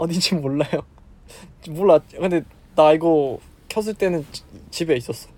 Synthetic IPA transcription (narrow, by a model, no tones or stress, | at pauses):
ʌdid͡ʑʰimːoɭːajo | t͡ɕmʌɭːakɯnde̞ | naiɡo | kʰjʌs̬ʰɯɭt͈e̞nɯnt͡ɕibe̞is͈ʌs͈ʌ